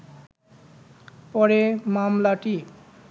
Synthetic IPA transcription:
pɔɾemamlaʈi

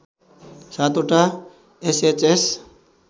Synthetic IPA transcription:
sat̪oʈa | eset͡ʃes

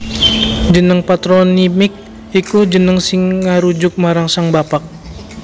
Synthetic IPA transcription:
d͡ʒənəŋpat̪ɾonimɪk̚ | ikud͡ʒənəŋsɪŋːaɾud͡ʒʊk̚maɾaŋsaŋbapak̚

